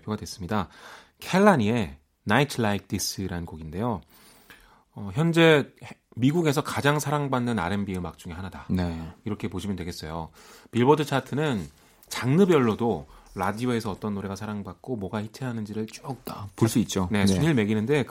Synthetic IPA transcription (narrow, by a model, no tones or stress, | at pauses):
pʰoɡadwe̞s͈ɯmɲida | kʰeɭːaɲie̞ | naitʰɯɭaik̚t͈is͈ɯiɾaɯnɡoɡinde̞jo | ʌçjʌnd͡ʑe̞miɡuɡe̞s̬ʰʌkad͡ʑaŋsʰaɾaŋbanːɯna̰ɾe̞mbiɯmak̚t͡ɕ͈uŋe̞ɦanadaneiɾʌkʰe̞poɕʰimʌndwe̞ɡe̞s͈ʌjo | piɭbʌdɯt͡ɕʰatʰɯnɯn | t͡ɕaŋnɯbjʌɭːodoɾadioe̞sʰʌʌt͈ʌnːoɾe̞ɡasʰaɾaŋbak̚k͈omwʌɡaçit͡ɕʰeɦanɯnd͡ʑiɾɯɭt͡ɕ͈uʌk̚t͈apoɭs͈uit̚t͡ɕ͈one̞suɲiɭme̞ɡinɯnde̞k